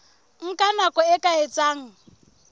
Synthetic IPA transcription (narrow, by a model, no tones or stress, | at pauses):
ŋ̩kʼanakʼɔɪkʼaet͡sʼaːŋ̩